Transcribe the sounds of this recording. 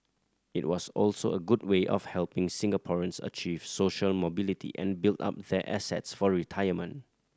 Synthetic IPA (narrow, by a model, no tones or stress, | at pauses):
ɪt̚wɔsɔlsoəɡud̚weʔɔ̰fhɛlpɪ̃ŋsɪ̃ŋəpʰɔɹə̃nsə̰t͡ʃiv̥soʃəlmobilitʰḭʔɛ̰̃nbilta̰p̚dɛʔɛsɛ̰tsfɔɹitʰaɪjəmə̃nt